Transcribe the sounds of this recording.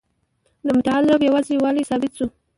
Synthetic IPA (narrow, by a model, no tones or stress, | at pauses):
d̪əmʊt̪aad̪ɪlobjawɑzewɑlajsɑbɪt̪su